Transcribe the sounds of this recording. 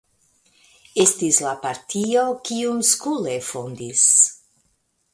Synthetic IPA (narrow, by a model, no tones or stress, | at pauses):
estislapaɾtʰiokiumskulefondis